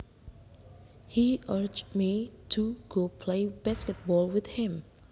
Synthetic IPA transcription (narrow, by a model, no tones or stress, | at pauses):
hiʔəɹd͡ʒmitʰuɡ̥opʰlejbɛskɛt̚bɔlwɪθhɪ̃m